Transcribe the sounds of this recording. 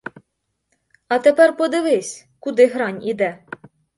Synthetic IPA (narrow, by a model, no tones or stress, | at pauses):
ɐt̪epɛrpɔd̪ɪʋɪsʲ | kʊd̪ɪɦɾɑnʲid̪ɛ